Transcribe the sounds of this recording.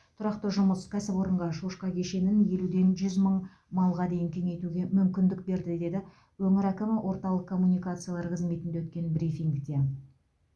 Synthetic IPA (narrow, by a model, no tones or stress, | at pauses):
t̪ʰʊɾɑqt̪əʒʊməskʲʰæsɪpwo̞ɾəɴʁɑʃuʃqɑkʲʰe̞ʃe̞nɪnje̞lud̪e̞nʒʏzməɴ | mɑlˠʁɑd̪e̞jɪŋkʲʰe̞ŋe̞jt̪uɡʲe̞mʏmkʲɪnd̪ɪk̚be̞ɾd̪ɪd̪e̞d̪ɪ | wɵŋɪɾækʲɪmɪwʔo̞ɾt̪ɑlˠəqkʰːo̞mːunijkat̪sɨjalˠɑɾqʰəzme̞t̪ɪnd̪ewɵt̪kʲe̞nbɾifiŋɡd̪e